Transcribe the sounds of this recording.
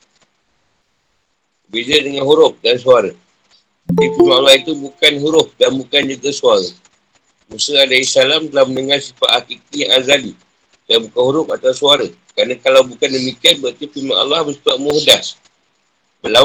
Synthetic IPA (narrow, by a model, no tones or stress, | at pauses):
bəbezədəŋanɦuɾʊp̚dansuaɾə | dipimaʔalːahit̪ubukanɦuɾʊp̚danbukand͡ʒuɡəsuaɾə | musəadaisalamdalahmənəŋarsifa̰ʔakik̪̚iaŋazali | danbukanhuɾʊp̚at̪ausuaɾəkɾanakalawbukandəmikianbaʔt̪ipima̰ʔa̰lːɑhbəsi̥taʔmuhdas | bəla